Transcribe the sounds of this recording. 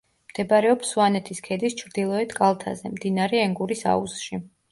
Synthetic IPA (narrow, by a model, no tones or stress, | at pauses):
md̪̥ɛbɾɛɔpsuanɛt̪ʰiskʰɛd̪ist͡ʃʰɾd̪ilˠɔɛt̪kʼalˠt̪ʰa̰zɛ̰md̪inaɾɛɛŋɡuɾisa̰usʃi